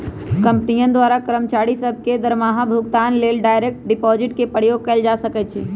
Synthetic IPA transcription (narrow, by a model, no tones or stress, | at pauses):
kə̃mpnijə̃nd̪waːɾakɾəmt͡ʃaːɽisəb̚ʱked̪əɾmaːɦabʱʊɡt̪aːnleːlɖaːjɾeːk̚ʈ̚ɖɪpɔːd͡ʒɪʈkepəɽjoːɡ̚kɐld͡ʒaːsəkɛt͡ʃʰiː